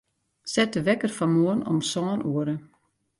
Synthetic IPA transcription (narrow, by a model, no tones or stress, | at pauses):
sɛtəʋɛkərfɔmoːnɔ̰msɔːnuəɾə